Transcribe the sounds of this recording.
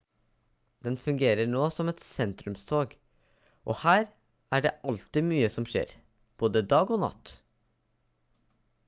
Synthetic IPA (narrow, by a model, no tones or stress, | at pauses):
d̪̥ɛnfʉŋɡeːɾəɳoːsɔmɛt̪sɛnt̪ɾʉmst̪ʰoːɡ | ʔɔhæːɾ | ʔæɖɛʔɑlt̪ɪmyːəsɔmʂḛːɾ | b̥oːd̪əd̪ɑːɡɔnɑ̰t̪ː